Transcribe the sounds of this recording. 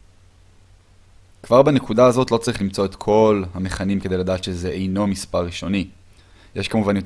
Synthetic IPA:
kv̥aʁbene̞kudaːzo̞t̪lo̞t͡saʁiχlimt͡so̞et̪kʰo̞lhameχanimkede̞jlad̪aːt̪ʃezeʔejno̞mispaʁːiʃo̞ni | jeʃkamuvanjot

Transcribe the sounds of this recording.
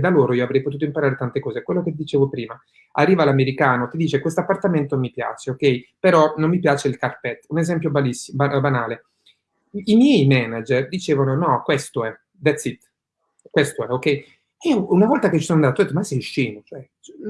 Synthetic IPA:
d̪aloːɾoiːoavɾɛjpot̪ut̪oimpaɾaːɾet̪ant̪ekɔːzekwelːoket̪d̪it͡ʃeːvopɾiːma | a̰rːiːvalameɾikaːnot̪id̪iːt͡ʃekwest̪oapːart̪ament̪omipja̰ːt͡ʃeokːɛjpeɾɔnomːipjaːt͡ʃeilkarpɛt̪ːunezɛmpjobalisːibabanaːle | imjɛjmɛnad͡ʒerd̪it͡ʃeːvanonɔkwest̪oɛ | b̪ɛt̪sit̪ | kwest̪oɛokːɛj | iounavɔlt̪aket͡ʃːisonand̪at̪ut̪ːimasɛjʃiːnot͡ʃoɛ

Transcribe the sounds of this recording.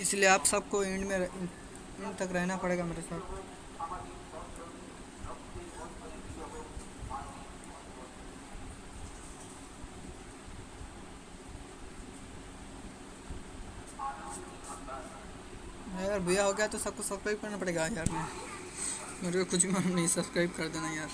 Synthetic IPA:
ɪslieaːpsɐb̚koɪ̃ɳɖmẽ | ɪ̃ɳɖt̪ɐkɾɛɦnapɐɽeːɡameːɾesaːt̪ | aɾbʊjaɦoːɡejat̪osɐb̚kosɐbskɾaːɪb̚kɐɾnapɐɽeːɡajaːɾne | meːɾeokʊt͡ʃʰbimannɐɦĩsɐbskɾaːɪb̚kɐɾd̪eːnajaːɾ

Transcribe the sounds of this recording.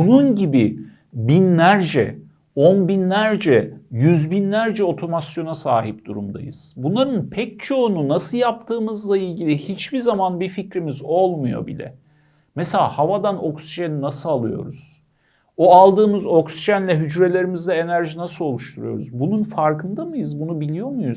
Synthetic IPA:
bununɟibi | binlʲæɾd͡ʒɛ̰ | onbinlʲæɾd͡ʒɛjyzbinlʲæɾd͡ʒɛo̞t̪ʰo̞masjo̞nasaːɦip̚d̪̥uɾumd̪a̰jɯ̰z̥bunlˠaɾɯnpʰɛc̚t͡ʃʰo̞ununasɯjap̚t̪ʰɯːmɯzlˠailʲɟilʲihit͡ʃbizamanbificɾimizolˠmujo̞̰bḭlʲɛ̰ | mɛselʲa̰havad̪ano̞ksiʒeninasɯalˠɯjo̞̰ɾuz̥ | oalˠd̪ɯːmɯzo̞ksiʒænlʲɛɦyd͡ʒɾe̞lʲe̞ɾimizd̪ɛenæɾʒinasɯlˠo̞lˠuʃt̪ʰuɾujo̞̰ɾṵzbununfaɾkɯnd̪amɯjɯzbunubilʲijo̞mujuz

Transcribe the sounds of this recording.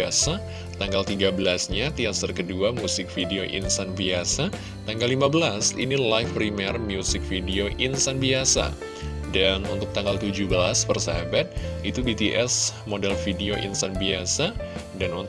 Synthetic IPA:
asa | t̪aŋɡalt̪iɡabəlasɲat̪iast̪ərkəduamusɪk̚fideoʔḭnsanbiasa | t̪aŋɡalimabəlasḭnilajfpɾimɛrmijusɪk̚fideoʔinst̪anbiasa̰ | danṵnt̪ʊk̚t̪aŋɡalt̪ud͡ʒubəla̰spərsaɦabat̪̚it̪ubit̪iʔɛsmodɛlfideoʔḭnsanbiasa | danun

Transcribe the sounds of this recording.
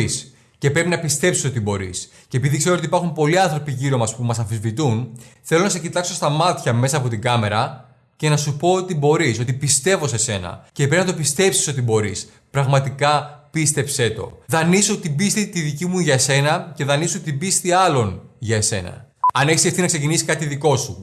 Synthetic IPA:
s | ce̞pɾe̞pinɐpist̪e̞psiso̞t̪ibo̞ɾḭs | cepiðikse̞ɾoot̪ipɐɾxumpo̞liɐnθɾo̞piʝiɾo̞mɐspumɐsɐfizvit̪unθe̞lo̞nɐsecit̪ɐkso̞st̪ɐmɐt̪çɐme̞sɐːpo̞t̪iɡɐme̞ɾɐ | ce̞nɐsupo̞ot̪ibo̞ɾisot̪ipist̪e̞vo̞se̞se̞nɐ̰ceːpiznɐt̪o̞pist̪e̞psi̥so̞t̪ibo̞ɾis | pɾɐɣmɐt̪ikɐpist̪e̞pse̞t̪o̞̰ðɐnisot̪ibist̪it̪iðicimuʝɐse̞nɐce̞ðɐnisoot̪ibist̪iɐlo̞nʝɐese̞nɐ̰ | ɐneçesieft̪inɐkse̞cinisi̥kɐt̪iðiko̞su

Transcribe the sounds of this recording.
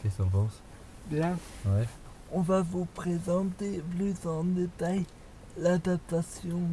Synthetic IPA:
kɛst̪ɑ̃p̪ɑ̃s | bjɛ̃wɛ | ɔ̃vavupχezɑ̃t̪eplysɑ̃d̪et̪aj | lad̪ap̚t̪asjɔ̃

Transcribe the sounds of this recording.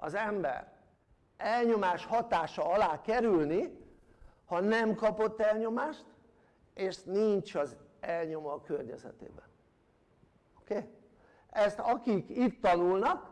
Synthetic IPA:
ɒ̰zɛmbɛ̰r | ɛlɲo̞maːʃhɒt̪aːʃɒɒlaːkɛɾylni | hɒnɛmkɒpo̞t̪ːɛlɲo̞maːʃt̪ | eːʃniɲt͡ʃɒzɛlɲo̞mɒkørɲɛ̰zɛ̰t̪ḛːbɛn | okeː | ɛst̪ɒkikit̪ːɒnulnɒk̚

